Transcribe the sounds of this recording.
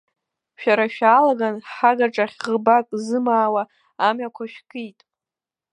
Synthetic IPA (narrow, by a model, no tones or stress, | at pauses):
ʃᶣaɾaʃᶣaːlaɡanħaɡaʈ͡ʂʼaχʲʁəbakʼzɨmaːwaː | makʷʰaʃᶣkʼijtʼ